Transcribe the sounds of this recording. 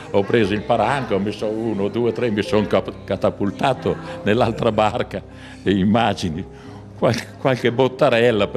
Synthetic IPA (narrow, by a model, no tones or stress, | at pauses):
ɔpɾeːzoilpaɾaŋkoɔmisːouːnod̪uːet̪ɾɛmisoŋkakat̪apːult̪aːt̪onelːalt̪ɾabarka | d̪eimːaːd͡ʒini | kwakkwalkebot̪ːaɾɛlːap